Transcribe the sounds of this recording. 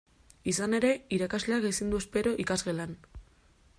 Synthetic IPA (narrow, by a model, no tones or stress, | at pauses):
isane̞ɾe̞iɾakazle̞aɣejsind̪ue̞spe̞ɾo̞ʔikazɣe̞lan